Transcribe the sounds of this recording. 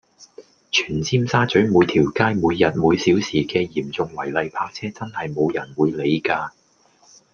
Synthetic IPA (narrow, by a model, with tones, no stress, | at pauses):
t͡ʃʰyː˨˩nt͡sʰiː˥msaː˥t͡sɵ˨˥ɥmuː˨˧jt̪ʰiː˨˩wkaː˥jmuː˨˧jːɐ˨t̚muː˨˧jsiː˨˥wsiː˨˩kɛː˧jiː˨˩mt͡sʊ˨˧ŋwɐ˨˩jlɐ˨jpʰaː˧k̚t͡sʰɛː˥t͡sɐ˥nhɐ˨jmo˨˧wjɐ˨˩nwuː˨˧jle˨˧jkaː˧